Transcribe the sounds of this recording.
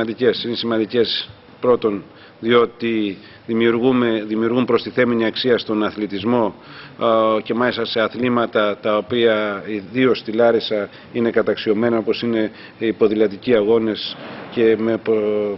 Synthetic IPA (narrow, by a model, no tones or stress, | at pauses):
ɐnd̪ice̞sinesimɐnd̪ice̞s | pɾo̞t̪o̞n | ðio̞t̪i | ðimiuɾɣumeðimiuɾɣumpɾo̞st̪iθe̞miniɐksiɐst̪o̞nɐθlet̪izmo̞ | ce̞mɐlist̪ɐse̞ɐθlimɐt̪ɐt̪ɐo̞piɐiðio̞st̪ilɐɾesɐ | ine̞kɐt̪ɐksio̞me̞nɐo̞po̞sine̞ | ipo̞ðilɐt̪iciɐɣo̞ne̞sce̞me̞pɾo